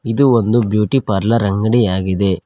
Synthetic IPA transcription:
id̪uond̪ubjuːʈipɐɾlɐɾɐŋɡɐɽijaːɡid̪e̞

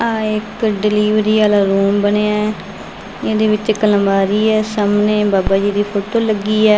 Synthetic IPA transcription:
ãːɪkɖɪliːʋɾiːaːlaːɾuːmbəneːa | ɪd̪eːʋɪt͡ʃɪkːələ̃mbaːɾiːɛːsaːmneːbaːbaːd͡ʒiːd̪iːpʰoːʈoːləɡːiːɛː

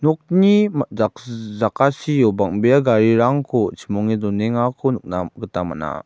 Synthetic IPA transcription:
nɔk̚niazakasijɔbaŋbeaɡaɾiɾaŋkʰɔt͡ʃʰimɔŋidɔneŋakʰɔnuk̚naɡətama̰na̰

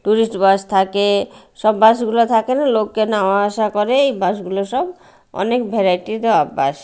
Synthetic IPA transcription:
ʈuɾisʈbast̪ʰake | ʃɔbːaʃ̬ɡulot̪ʰakenalokːenawaaʃakɔɾeejbaʃɡuloʃɔb | ɔ̰nekbʱeɾajʈid̪oabːaʃ

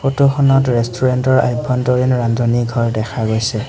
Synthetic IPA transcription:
xotuxʰɔnɔtɹɛstʰuɹɛntɔɹa̰jbʱɔntɔɹinɹandɔniɡʱɔɹdɛkʰaɡojsɛ

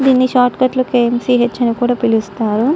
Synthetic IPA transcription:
d̪iːnːiʃaːʈkɐʈlukeemsiːɦet͡ʃːɐnikuːɽaːpilust̪aːɾu

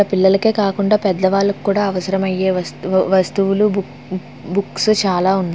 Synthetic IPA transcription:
ɐpilːɐlɐke̞ːkaːkuɳɖaːpɛd̪ːɐʋaːlɐku̥kːuːɽaːɐʋɐsɐɾɐmɐjːe̞ːɐʋɐst̪uʋulu | bukst͡ʃaːlaːund̪

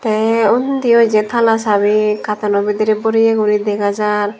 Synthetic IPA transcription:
t̪ɛunt̪ijɔd͡ʒɛt̪ʰalasaβikat̪anɔbid̪iɾɛbɔɾijeɡuɾid̪ɛɡad͡ʒaɾ

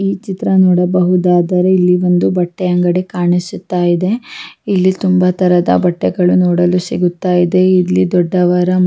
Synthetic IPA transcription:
iːt͡ʃit̪ɾɐnɔːɽɐbɐɦud̪aːd̪ɐɾeilːiʋo̞nd̪ubɐʈːɛɐŋɡɐɽikaːɳisut̪ːaːjid̪e̞ilːit̪umbɐt̪ɐɾɐd̪ɐ̰bɐʈːɛɡɐɭunɔːɽɐlusiɡut̪ːaːjid̪e̞ilːid̪ɔɖːɐʋɐɾɐ

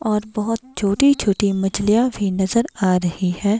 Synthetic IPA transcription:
ɔːɾbɐɦʊt̪̚t͡ʃʰoːʈit͡ʃʰoːʈimɐd͡ʒlijabʱinɐzəɾaːɾɐhihɛː

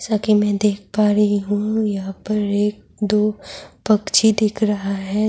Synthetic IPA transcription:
sakimɛ̃ːd̪eːk̚ʰpaːɾɦiɦũjɐɦãpɐɾeːk̚d̪oːpɐkt͡ʃʰid̪ɪkʰɾɐɦaɦɛ

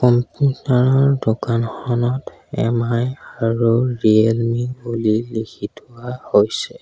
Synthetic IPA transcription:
pɔmputnaɹɔɹdokanxɔnɔt | ɛ̰majaɹuɹielmiŋulilikʰitʊwahojsɛ

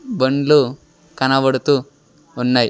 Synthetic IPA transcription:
bəɳɖlu | kanaʋəɽt̪uː | nːaj

